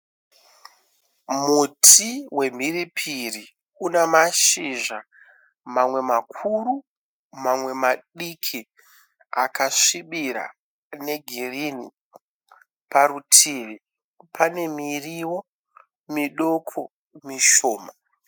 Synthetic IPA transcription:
mutʰiwe̞m̤iripʰiri | unamaʃiʐa | mamwe̞makʰuru | mamwe̞maɗikʰi | a̰kʰaʂiɓiɾa̰ | ne̞ɡʱirinḭ | paɾutʰiʋi | pʰane̞miriwo̞ | miɗo̞kʰo̞ | miʃoːma

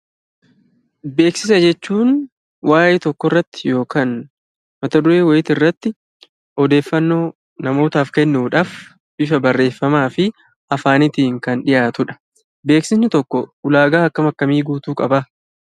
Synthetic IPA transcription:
be̞ːksɪsɐd͡ʒɛt͡ʃːuːn | wʔaːjɛt̪ɔkːɔrːɐt̪ːɪ̥jo̞ːkaːn | mɐt̪ɐd̪ʊɾe̞ːwɔjɪt̪ɪrːɐt̪ːɪ | ɔd̪e̞ːfːɐnːo̞ː | nɐmo̞ːt̪aːfkɛnːuːᶑaːf | b̥ɪʃɐbɐrːe̞ːfːɐmaːfɪ | ʔɐfaːnɪt̪iːŋkɐnᶑɪjaːt̪ʊᶑɐ̥ | be̞ːksɪnsɪt̪ɔkːɔʊlaːɡaːɐkːɐmɐkːɐmiːɡuːt̪uːkʼɐbɐ

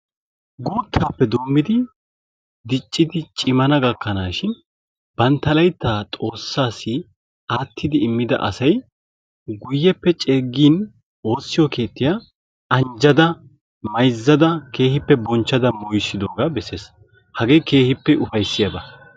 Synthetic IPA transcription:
ɡuːt̪ʰːaːpːɛd̪oːmːɪd̪ɪ | d̪ɪt͡ʃʼːɪd̪ɪt͡ʃʼɪmɐnɐɡɐkːɐnaːʃɪn | b̥ɐnt̪ːɐlɐjt̪ːaːt̪ʼo̞ːsːaːsːɪ | aːt̪ʰːɪd̪ɪːmːɪd̪ɐ̰ʔɐ̰sɐj | ɡʊjːɛpːɛt͡ʃʼeːɡːiːn | o̞ːsːɪjɔke̞ːt̪ːɪja | ɐnd͡ʒɐd̪ɐ | mɐjzːɐd̪ɐke̞ːhɪpːɛbɔnt͡ʃːɐd̪ɐmɔjsːɪd̪oːɡabɛse̞ːs | hɐɡe̞ːjke̞ːhɪpːɛʊfɐjsːɪjɐbɐ

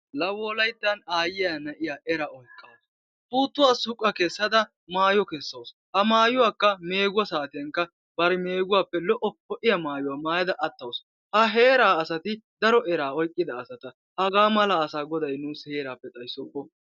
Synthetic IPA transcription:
lɐwɔːlɐjt̪ːɐnaːjɪjaːnɐʔɪjaːʔɛɾaːɔjkʼːɐws | puːt̪ːʊwaːsʊkʼːɐkɛsːɐd̪ɐ | maːjɔkɛsːɐws | hɐmaːjʊwaːkːɐme̞ːɡʊwɐsaːt̪ɪjɐŋkːɐ | b̥ɐɾɛme̞ːɡʊwaːpːɛlɔʔːɔhɔʔɪjɐmaːjʊwaːmaːjɐd̪ɐʔɐt̪ːɐws | hɐɦeːɾaːɐsɐt̪ɪd̪ɐɾɔʔɛɾaːɔjkʼːɪd̪ɐːsɐt̪ɐ | hɐɡaːmɐlɐːsaːɡɔd̪ɐjnuːshe̞ːɾaːpːɛt̪ʼɐjsːɔkːɔ

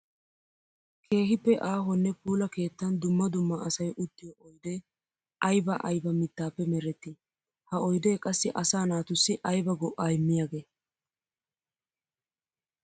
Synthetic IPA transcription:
kʰe̞ːɦɪpːɛʔaːɦɔnːɛpuːlɐke̞ːt̪ːɐnd̪ʊmːɐd̪ʊmːɐɐsɐjʔʊd̪ːɪjɔʔɔjd̪e | ʔɐjbɐʔɐjbɐmɪt̪ːaːpːɛmɛɾɛt̪ːɪ | hɐɔjd̪eːkʼɐsːɪʔɐsaːnaːt̪ʊsːɪʔɐjbɐɡɔʔːaːɪmːɪjaːɡe̞ː

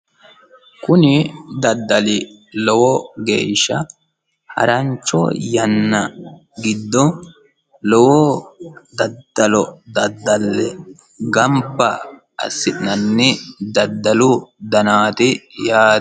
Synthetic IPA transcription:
kʊnɪd̪ɐd̪ːɐlɪ | lɔwɔɡḛːʃːɐ | hɐ̰ɾɐɲt͡ʃːɔ̰jɐnːɐ | ɡɪd̪ːɔ | lɔwɔ | d̪ɐd̪ːɐlɔd̪ɐd̪ːɐlːɛ | ɡɐmbɐ | ɐ̰sːɪtnɐnːɪd̪ɐd̪ːɐlʊd̪ɐnaːt̪ɪjaː

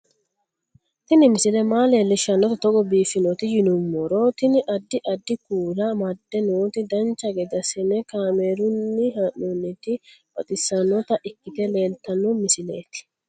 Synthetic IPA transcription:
t̪ɪnɪmɪsɪlɛmaːleːlːɪʃɐnːɔt̪ɐt̪ɔɡɔbiːfɪnɔt̪ɪjɪnʊmːɔɾɔt̪ɪnɪʔɐd̪ːɪʔɐd̪ːɪkuːlɐmɐd̪ːɛnuːt̪ɪd̪ɐnt͡ʃːɐɡɛd̪ɐsɪnɛkaːmeːɾʊnːɪɦɐʔɔnːɪt̪ɪb̥ɐt̪ʼɪsːɐnːɔt̪ɐʔɪkːɪt̪ɛle̞ːlt̪ːɐnːɔmɪsɪle̞ːt̪ɪ̥

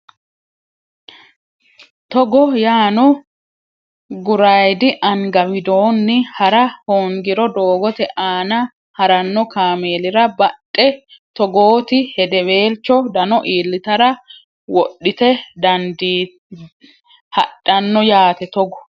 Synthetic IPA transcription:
t̪ɔɡɔjaːnɔ | ɡʊɾɐjd̪ɪʔɐŋɡɐwɪd̪oːnːɪhɐɾɐhoːŋɡɪɾɔd̪o̞ːɡɔt̪ɛʔaːnɐ | hɐɾɐnːɔkaːme̞ːlɪɾɐbɐtʼːɛt̪ɔɡoːt̪ɪhɛd̪ɛβe̞ːlt͡ʃːɔd̪ɐnɔʔiːlːɪt̪ɐɾɐ | wɔɗːɪt̪ɛd̪ɐnd̪iː | hɐɗːɐnːɔjaːt̪ɛt̪ɔɡɔ

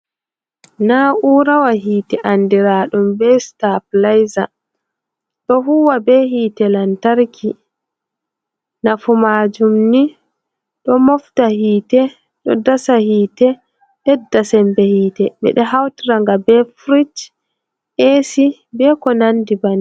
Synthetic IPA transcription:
nauːɾawaɦiːtɛʔandiɾaːɗumbɛstap̚lajza | ɗɔɦuwabɛhiːtɛlantaɾkʰi | nafumaːd͡ʒumni | ɗɔmɔftahiːtɛ | ɗɔ̰dasahiːtɛ | ɗɛdːasɛmbɛhiːtɛɓɛ̰ɗɛɦawtɾaŋɡabɛfɾit͡ʃ | esibɛkɔnandibani

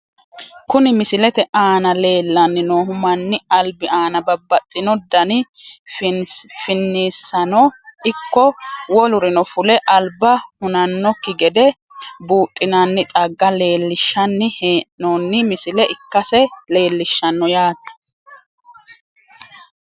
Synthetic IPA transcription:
kʊnɪmɪsɪlɛt̪ɛʔaːnɐle̞ːlːɐnːɪnoːɦʊmɐnːɪɐlbɪaːnɐbɐbːɐt̪ʼːɪnɔd̪ɐnɪ | fɪnːiːsːɐnɔɪkːɔwɔlʊɾɪnɔfʊlɛʔɐlbɐhʊnɐnːɔkːɪɡɛd̪ɛ | buːtʼːɪnɐnːɪt̪ʼɐɡːɐle̞ːlːɪʃːɐnːɪheːnoːnːɪmɪsɪlɛʔɪkːɐsɛle̞ːlːɪʃːɐnːɔjaːd̪ɐ̥

